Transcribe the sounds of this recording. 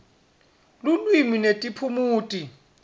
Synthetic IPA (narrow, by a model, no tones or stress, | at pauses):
lulwiminetʼipʰumuːtʼi